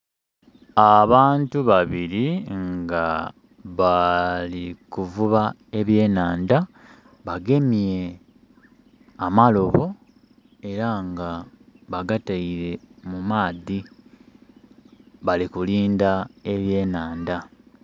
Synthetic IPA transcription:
aβaːntuβaβiɾiŋɡa | βalikuvuβa | e̞βje̞ːnaːnda | βaɡe̞mje̞ | amalo̞βo̞ | e̞ɾaŋɡaβaɡataiɾe̞mumaːði | βalikuliːndae̞βje̞ːnaːnda

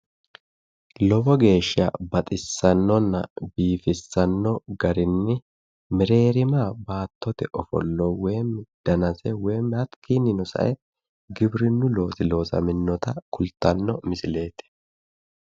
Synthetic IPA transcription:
lɔbɔɡe̞ːʃːɪɐ̰bɐt̪ʼɪsːɐnːɔnːɐ̰biːfɪsːɐnːɔɡɐɾɪnːɪ | mɪɾe̞ːɾɪmaːbaːt̪ːɔt̪ɛʔɔfɔ̰lːɔwe̞ːmːd̪̥ɐnɐsɛweːmɐt̪kʰiːnːɪnɔsɐ̰ʔɛ | ɡɪbɾɪnːʊlo̞ːsɪlo̞ːsɐ̰mɪnːɔt̪ɐkʊlt̪ːɐnːɔmɪsɪle̞ːt̪ɪ̥

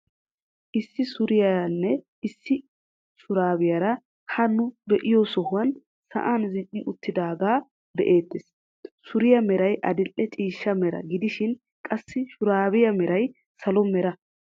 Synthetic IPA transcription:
ʔɪsːɪsʊɾɪjɐnːɛ | ɪsːɪ | ʃʊɾaːbɪjɐɾɐ | hɐnːʊbɛʔɪjɔsɔhʊwɐn | sɐ̰ʔaːnzɪt͡ʃʼːɪʔʊt̪ːɪd̪aːɡaː | b̪ɛʔe̞ːt̪ːes | sʊɾɪjɐmɛɾɐjʔɐd̪ɪlʔːɛt͡ʃʼiːʃːɐmɛɾɐ̰ɡɪd̪ɪʃɪn | kʼɐsːɪʃʊɾaːβɪjɐmɛɾɐj | sɐlɔmɛɾɐ

